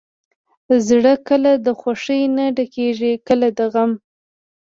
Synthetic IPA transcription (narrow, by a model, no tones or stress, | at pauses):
zɽəkəlad̪əxwaʂəjnaɖakeʒikəlad̪əɣam